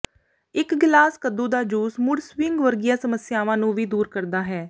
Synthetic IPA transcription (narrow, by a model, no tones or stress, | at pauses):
ɪkɡlaːskəd̪ũːd̪aːd͡ʒuːsmʊɽswɪŋɡʋəɾɡɪjãːsəməsjaːʋãːnũːʋiːd̪uːɾkəɾd̪aːɦɛː